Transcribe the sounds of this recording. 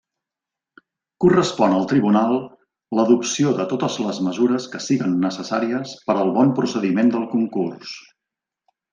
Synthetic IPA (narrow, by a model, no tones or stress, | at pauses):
kurəspɔnəlˠt̪ɾiβunalˠ | ləðupsioðət̪ot̪əzləzməzuɾəskəsiɣənːəsəsaɾiəspəɾəlˠβɔmpɾusəðimend̪əlˠkuŋkurs